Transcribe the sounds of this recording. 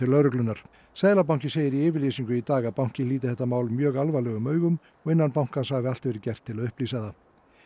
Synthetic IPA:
ɪlœɾʏklʏnːaɾ̥ | sɛːðlap̬aw̥cɪseːjɪɾiɛːvɪɾliːsiŋkʏit̪aːɣaðpawŋ̥cɪliːt̪ɪθɛht̪ːamaːwlʏmːjœːɣalvalɛɣʏmœːɥɣʏm | ɔɣɪnːanpawŋ̥kanshaɣvɪalt̪vɛːɾɪcɛr̥t̪ʰːɪlaðʏhpliːsaða

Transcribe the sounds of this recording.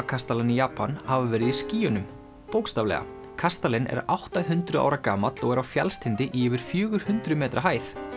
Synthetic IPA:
kʰast̪alɪnijaːpːanhavavɛːɾɪðisciːjʏnʏm | poːwkst̪aːvlɛ̰ɣa̰ | kʰast̪alɪnɛ̰ɾawht̪aɦʏnt̪ɾʏa̰wɾakaːmat̪lɔɣɛɾawfja̰lst̪ʰɪnt̪ɪʔɪvɪɾ̥fjʏːɣʏɾ̥hʏnt̪ɾʏmɛːt̪ɾaɦaːjθ

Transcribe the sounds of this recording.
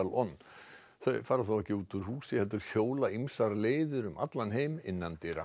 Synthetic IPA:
alɔnː | θœɥfaːɾaθawɛhcɪuːt̪ʏɾhuːsɪhɛlt̪ʏɾ̥çoːwlaimsaɾleːjðʏɾʏmʔa̰t̪lanɦeːjmɪnːant̪ɪɾa̰

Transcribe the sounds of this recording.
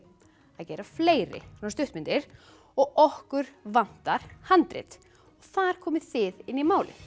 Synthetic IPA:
aðcɛːɾḁfleːjɾɪ̰mast̪ʏht̪mɪnt̪ɪɾ̥ | ɔɣɔhkʏɾ̥van̥t̪aɾ̥hant̪ɾɪ̰t̪ | ɔɣθaðɾ̥kʰɔːmɪðθɪðɪnːimaːwlɪ̰

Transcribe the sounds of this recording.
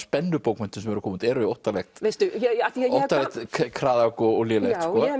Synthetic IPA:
spɛnːʏpoːwkmɛnt̪ʏsɛmɛɾʏkʰɔːmʏnt̪ɛːɾʏɪowht̪alɛxt̪ejst̪ʏjɛaɛot̪alɛxt̪ʰkʰɾaːðakɔɔlɛlɛsɔː

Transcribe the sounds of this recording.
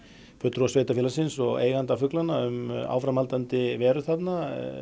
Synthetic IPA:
fœt̪ɾɔsveːjt̪afjɛlasɪnsɔɣḛːjɣant̪afʏklanːaʏma̰ːwfɾamalt̪ant̪ɪvɛːɾʏθat̪na

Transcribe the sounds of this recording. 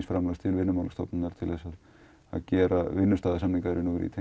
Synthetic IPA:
sfɾamlast̪ʰɪlvɪnːʏmawlast̪ɔ̰pnʏnaɾ̥t̪ʰɪlɛsað | a̰ðcɛːɾavɪnːʏst̪aːðasamniŋkaðɾɪnuɣɾḭt̪ʰe

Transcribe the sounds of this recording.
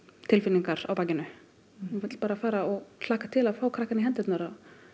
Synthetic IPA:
t̪ʰɪlfɪnːiŋkaɾ̥a̰wpaːcɪnʏ | nvɛt̪l̥paːɾafaːɾaɔɣsaːhkḁt̪ʰɪlaðfaːwkʰɾaːhkanɪɦɛnt̪ɛt̪naɾa

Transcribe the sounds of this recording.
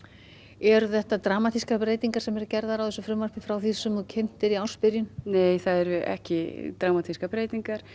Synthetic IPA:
ɛɾʏθɛht̪at̪ɾaːmat̪ʰiskapɾeːjt̪iŋkaɾ̥sɛmɛɾʏcɛɾðaɾawθɛsʏfɾʏmvaɾ̥rpɪfɾawθisʏmɔcʰɪn̥t̪ɪɾiawspɪɾjʏnneːjθaðɛɾɪɛ̰hcɪt̪ɾaːmat̪ʰiskapɾeːjt̪iŋkaɾ̥

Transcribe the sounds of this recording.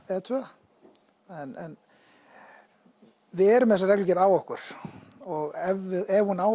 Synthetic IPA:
ɛt̪ʰœa | ɛnɛn | vɪðɛɾʏmɛsaɾɛjklʏcɛɾaːwɔhkʏɾ̥ɔɣɛvɪðɛvhunaːw

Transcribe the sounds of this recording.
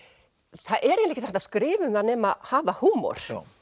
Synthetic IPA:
θaðʔɛɾenɛçcɪt̪ɛht̪askɾɪːvʏmθanɛːmahaːvahuːmɔ̰ɾ̥

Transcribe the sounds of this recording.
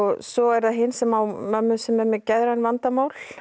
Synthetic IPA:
ɣsɔɛɾðaðɦɪnsɛmawmœmːʏsɛmɛɾmɛcɛðɾanvant̪amaːwl

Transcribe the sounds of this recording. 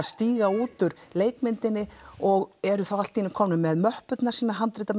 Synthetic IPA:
ðst̪iːɣauːt̪ʏɾleːjkmɪnt̪ɪnːɪɔɣɛɾʏθawal̥t̪ːinɪkʰɔːmnʏmːɛðmœhpʏt̪naɾ̥siːnaɦant̪ɾɪt̪a

